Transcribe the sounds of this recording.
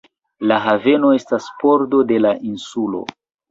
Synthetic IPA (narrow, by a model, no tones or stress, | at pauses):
laɦave̞no̞e̞staspo̞ɾdo̞de̞laʔinsulo̞̰